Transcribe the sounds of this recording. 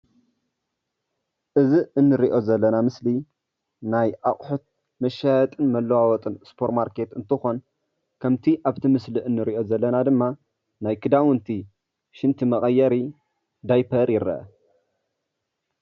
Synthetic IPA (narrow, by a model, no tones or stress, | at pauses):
ʔɨziɨnːɨɾiʔo̞zɐlːɐnamɨsli | najʔaχʼħut̪̚ | mɐʃajɐt̪ʼɨnmɐlːɐwawɔt̪ʼɨnspʰo̞ɾmaɾke̞t̪ɨ̰nt̪ʰɨxo̞n | kʰɐmt̪ʰiʔaβt̪ʰimɨsliʔɨnːɨɾiʔo̞zɐlːɐnad̪ɨmːa | najkʰɨd̪awɨnt̪ʰi | ʃɪnt̪ʰimɐɣʼɐjːɐɾi | d̪ajpʰɐɾjɪɾɐ̰ʔ